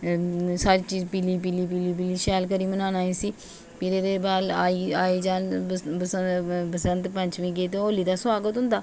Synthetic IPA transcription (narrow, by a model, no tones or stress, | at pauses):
saːɾiːt͡ʃiːzpiːliːpiːliːp̬iːliːp̬iːliːʃɛːlkəɾiːmənaːnaːĩːsiː | pʰɪɾeːd̪eːbaːlaːiːaːiːd͡ʒaːnbəsəbəsənt̪pəɲt͡ʃʋĩːkeːt̪ẽoːliːd̪aːswaːɡət̪ɦʊ̃nd̪aː